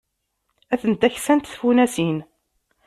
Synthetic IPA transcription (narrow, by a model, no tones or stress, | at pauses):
æθənt̪æçsænt̪θfunæsin